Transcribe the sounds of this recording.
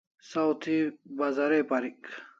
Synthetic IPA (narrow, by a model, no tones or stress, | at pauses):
sawt̪ʰibazɐɾepaɾik